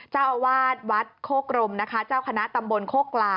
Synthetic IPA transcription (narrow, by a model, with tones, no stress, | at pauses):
t͡ɕaː˥˩wwaː˥˩t̪̚wa˦˥t̪̚kʰoː˥˩kɾo˧mna˦˥kʰa˦˥t͡ɕaː˥˩wkʰa˧na˦˥ʔt̪a˧mbo˧nkʰoː˥˩klaː˧